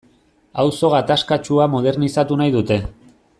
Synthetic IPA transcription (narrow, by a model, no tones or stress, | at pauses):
awso̞ɣ̞at̪askat͡ʃuamoð̞e̞ɾnisat̪unajðut̪e̞